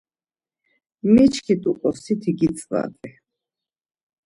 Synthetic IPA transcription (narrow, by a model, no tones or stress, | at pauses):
mɛt͡ʃʰkʰit̪ʼukʼɔsʰit̪ʰiɡit͡sʼva̰t̪ʼɛ